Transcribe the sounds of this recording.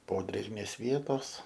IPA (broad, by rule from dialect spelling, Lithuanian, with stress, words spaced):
ˈpoːdʲrʲeːɡmʲeːs ˈʋʲiɛtoːs